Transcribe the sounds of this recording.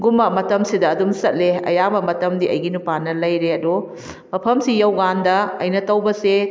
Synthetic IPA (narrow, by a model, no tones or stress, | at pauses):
ɡumɐmɐtɐmsidɐːdumsɐt̚leɐ̰jamɐmɐtɐmdiʔɐ̰jɡinupanɐlɐjɾeɐdu | mɐpʰɐmsijɐwɡandɐɐjnɐtɐwbɐse